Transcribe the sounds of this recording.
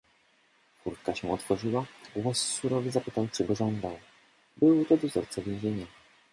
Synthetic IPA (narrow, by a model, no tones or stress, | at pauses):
kuɾt̪̚kaɕɛɔt̪fɔʐiwaɡwɔsːuɾɔvʲizapɘt̪awt͡ʂɛɡɔʐɔnd̪aw | bɘwt̪ɔd̪ɔzɔ̰ɾt̪sɛvʲjẽw̃ʑeɲɛ